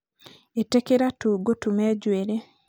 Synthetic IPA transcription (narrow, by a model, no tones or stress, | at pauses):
etekeɾatuɡotumɛd͡ʒweɾe